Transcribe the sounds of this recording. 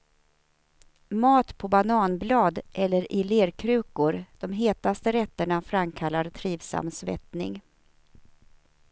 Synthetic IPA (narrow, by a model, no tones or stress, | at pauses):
mɑːt̪pʰɔbanɑːnblɑːd̪ʔɛlːəɾʔɪleːɾkʰɾʉ̟ːkʊɾd̪̥ɔmɦeːt̪ast̪əɾɛt̪ːəɳafɾamkʰalːaɾt̪ʰɾiːvsa̰msvɛ̰t̪nɪ̰ŋ